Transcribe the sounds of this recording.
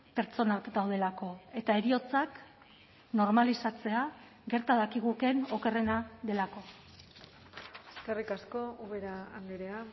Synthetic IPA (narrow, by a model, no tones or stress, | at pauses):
pe̞ɾt͡so̞nakd̪awð̞e̞lako̞e̞t̪ae̞ɾio̞t͡sak | no̞ɾmalisat͡se̞a | ɡe̞ɾt̪aðakiɣ̞uke̞no̞ke̞re̞naðe̞lako̞ | eskerikasko̞uβeɾaːŋɡeɾea